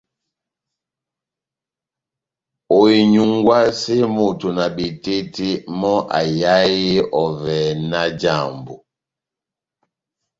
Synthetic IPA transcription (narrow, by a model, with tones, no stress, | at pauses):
o˨i˨ɲu˨ŋɡwa˦si˦mo˨tu˨na˨bi˨ti˦ti˦mɔ˦ʔa̰˨ja˦ji˦ɔ˨vɛ˨na˦d͡ʒa˦˨mbṵ˨